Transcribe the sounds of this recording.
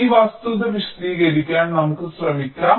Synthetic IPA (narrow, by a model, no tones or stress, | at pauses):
iʋaːst̪ud̪ɐʋiʂt̪iːɡɐɾikʲːaːnnɐmukːɨsrɐmikʲːaː